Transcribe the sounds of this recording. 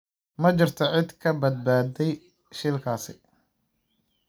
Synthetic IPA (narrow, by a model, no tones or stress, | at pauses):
mɐt͡ʃɪrt̪ʰɔʕɪd̪kʰɐbɐd̪̚baːd̪ɛj | ʃɪlkʰaːsɪ